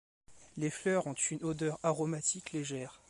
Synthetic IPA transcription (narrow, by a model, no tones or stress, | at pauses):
leflœʁɔ̃t̪ynod̪œʁaʁɔmat̪ʰikleʒɛːʁ